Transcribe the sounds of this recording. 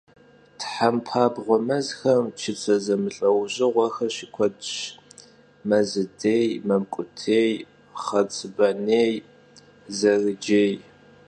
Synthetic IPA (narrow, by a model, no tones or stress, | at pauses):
tʰħampʰaːbʁʷɔmɐzxɐmt͡ʃʰɪt͡sʼʰɐzɐmɨɬʼɐwʑɪʁʷɐxɐɕikʷʰɔdʃ | mɐzɨdeːjmɐmkʷʼʊtʰeːj | χɐt͡sʼɨbɐneːj | zɐrɨd͡ʒeːj